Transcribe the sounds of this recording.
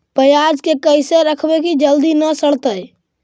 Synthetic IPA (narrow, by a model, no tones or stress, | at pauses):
pəjad͡ʒkekəjseɾəkʰbekid͡ʒəld̪inəsəɽ̤t̪əj